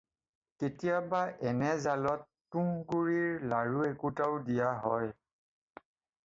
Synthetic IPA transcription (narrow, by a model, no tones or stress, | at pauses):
ketijabaʔɛnɛzalɔtːuŋɡuɹiɹlaɹuekutaʊdijaɦɔ̰j